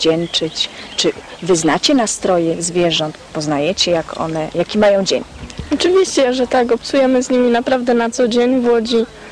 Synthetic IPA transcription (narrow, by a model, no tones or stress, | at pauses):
d͡ʑɛnt͡ʂɘt͡ɕt͡ʂɘvɘznat͡ɕɛnast̪ɾɔjɛzvʲjɛʐɔnt̪pɔznajɛt͡ɕɛjakɔ̰nɛjakʲimajɔ̃w̃d͡ʑeɲɔt͡ʂɘvʲiɕt͡ɕɛʐɛt̪akɔpsujɛmɘzʲɲimʲinapɾavd̪ɛnat̪sɔd͡ʑeɲvwɔd͡ʑi